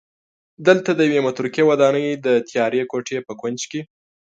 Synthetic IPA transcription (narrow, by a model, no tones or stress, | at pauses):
d̪əlt̪ad̪əjawemʊt̪ɾukjewad̪ɑnəjd̪ət̪ʰjɑɾekoʈʰepəkwand͡ʒke